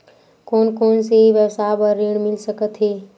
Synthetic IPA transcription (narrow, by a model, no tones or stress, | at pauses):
koːnkoːnsebəsabəɾːeɽ̃milsəkət̪ɦe